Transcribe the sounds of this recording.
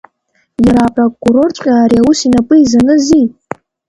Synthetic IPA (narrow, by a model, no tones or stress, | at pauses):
jaɾaːpʼrokʼːuɾo̞rt͡ʃʷʼqʲʼaːɾiawusinapʼɨizanɨzi